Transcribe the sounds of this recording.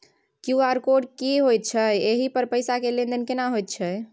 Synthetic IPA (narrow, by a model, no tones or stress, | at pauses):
kjuaɾkoɖkiɦojt̪̚t͡ʃʰəeɦipəɾpəjsakelend̪ənkenaɦojt̪̚t͡ʃʰə